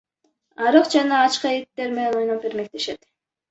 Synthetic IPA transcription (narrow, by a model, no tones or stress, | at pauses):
ɑɾɯqd͡ʒɑnɑːt͡ʃqɑet̪ːeɾmenenojnopeɾmek̚t̪eʃet̪